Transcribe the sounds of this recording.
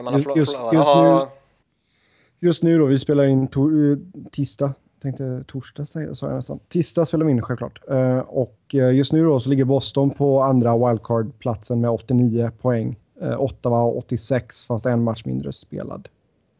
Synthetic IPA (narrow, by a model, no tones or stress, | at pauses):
ɵsjɵst̪nː | jɵst̪nʉ̟ːd̪ɔvɪspeːlaɾɪnt̪ʰut̪ʰɪst̪a | t̪ʰɛŋk̚t̪ət̪ʰuʂʈasɛjə̰sɑːja̰nɛst̪a̰nt̪ʰɪst̪aspeːlavɪɪnɧɛlkl̰ːʈɔkjɵst̪nʉ̟ːd̪ɔsɔlɪɡːəɾbɔst̪ɔnpʰɔand̪ɾawajld̪̚kʰɑːɖpʰlat̪sənmɛd̪ɔt̪ːɪniːəpʰɔɛŋː | ʔɔt̪ːaɔ̰t̪ːɪsɛksfast̪ɛnːmat̪ʂːmɪ̰nd̪ɾə̰spḛːla̰d̪